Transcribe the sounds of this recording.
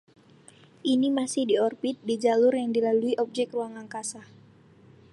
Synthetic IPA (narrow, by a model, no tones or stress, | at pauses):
ʔinimasɪhdiɔrbit̪̚did͡ʒalʊrjaŋdilaluiʔɔp̚d͡ʒɛkruaŋaŋkasah